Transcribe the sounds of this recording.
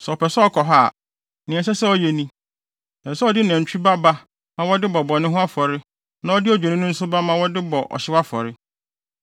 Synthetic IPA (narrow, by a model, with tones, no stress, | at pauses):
sɛ˨ɔ˨pɛ˨sɛ˦ɔ˦kʰɔ˨ɦa˦˨ | nɪ̃˨ɛ̃˨s̬ɛ˦sɛ˦ɔ˨jɛ˨nĩ˦ | nɛ̃˨sɛ˦ɔ˦˨dɪ˦næ̃˨t͡ɕᶣʰu˦ba˦ba˦ | mã˦wɔ˦dɪ˦bɔ˨bɔ˨nɪ̃˦ɦʊ̃˦a˦fɔ˨ɾɪ˦ | nã˦ɔ˦dɪ˦ɔ˨d͡ʑᶣe˨nɪ̃˦nʊ̃˦n̩˦sʊ˦ba˦mã˦wɔ˦dɪ˦bɔ˨ʔɔ̰˨ɕɪ˦wa˦fɔ̰˨ɾɪ˦